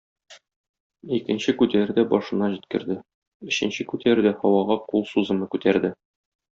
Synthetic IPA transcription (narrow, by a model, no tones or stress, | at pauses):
ikɘ̆nɕɘkʉt̪æɾɘ̆d̪æbɒʃɤ̆nɑʑit̪̚kɘ̆ɾd̪ɘ | ɵ̆ɕɘ̆nɕɘkʉt̪ʰæɾɘd̪æhɒwɑʁɑqulˠsuzɤ̆mɤkʉt̪æɾd̪ɘ